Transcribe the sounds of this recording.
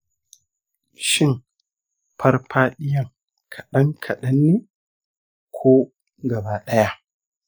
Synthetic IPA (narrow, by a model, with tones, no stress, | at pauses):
ʃɪ˦˨ŋ | pʰɐ˦rpaː˦ɗɪ˦jɐ˨ŋ | kʰɐ˨ɗɐ˦ŋkʰɐ˨ɗɐ˦nːeː˦ | kʷʰoː˦ | ɡɐ˨baː˦ɗɐ˦ja˦ʔ